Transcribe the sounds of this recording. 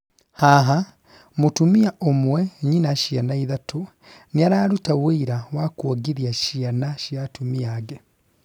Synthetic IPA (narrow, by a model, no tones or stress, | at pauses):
haɦa | mutumiaʔomweɲinaʃianaiðatʰu | niaɾaːɾutawiiɾawakwoɡiɾjaʃianaʃjatumiaɡe